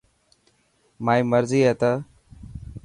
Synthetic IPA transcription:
maːĩːməɾziːɦet̪ə

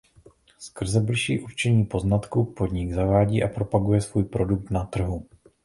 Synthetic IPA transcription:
skr̩zɛblɪʃḭːʔuɾt͡ʃɛɲiːpo̞znat̪kupo̞d̪ɲɪɡzavaːɟiːʔapɾo̞paɡujɛsvuːjpɾo̞duk̚t̪nat̪r̩ɦu

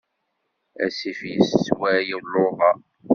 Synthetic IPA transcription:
æ̰sifjəsːwæjilːoʁɑ

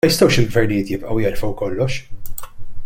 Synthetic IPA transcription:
ɐjɪst̪ɐwʃɪlɡvɛɾnɪjɪːt̪jɪpʔɐwjɛɾfɐwkɔlːɔʃ

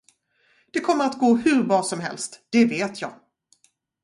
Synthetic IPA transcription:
d̪̥ɛkʰɔmːəɾat̪ɡoːhɵɾbɾɑːsɔmɦɛ̰lst̪d̪̥ɛveːt̪ʰjɑ̰ːɡ

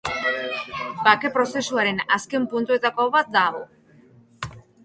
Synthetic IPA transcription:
bake̞pɾo̞se̞suaɾe̞naske̞mpunt̪ue̞t̪akoβat̪̚d̪aɣo

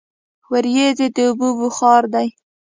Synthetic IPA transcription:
waɾjezed̪əʊbubuxɑɾd̪aj

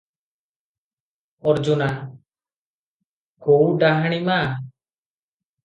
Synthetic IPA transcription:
ɔɾd͡ʒuna | kowɖaɦaɽ̃ima

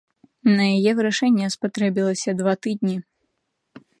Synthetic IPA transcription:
nɐjajɛvɨɾaʂɛnʲːɛspat̪ɾɛbʲilˠɐsʲɐd̪vat̪ɨd̪ʲnʲi

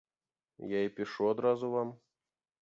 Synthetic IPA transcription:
jaipʲɪʂuɔd̪ɾɑzuvɑm

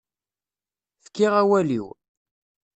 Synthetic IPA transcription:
θə̥kːiʁæwælḭw

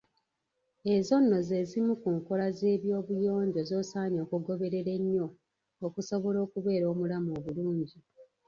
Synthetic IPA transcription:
e̞zo̞nːo̞ze̞zimukuːŋko̞laze̞ːβjo̞ːβujo̞ːɲɟo̞zo̞ːsaːɲo̞ːkuɡo̞βe̞ɾe̞ɾeɲːo̞ː | kuso̞βo̞lo̞ːkuβe̞ːɾo̞ːmulamoβuluːɲɟi

